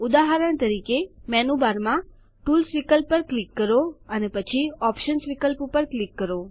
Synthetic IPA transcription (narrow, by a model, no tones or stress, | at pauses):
ud̪aɦaɾəɳ̃t̪əɾikemɛnubaɾmã | ʈulsʋikəlpːəɾklikːəɾoənepət͡ʃʰiɔpʃənsʋikəlppəɾklikːəɾo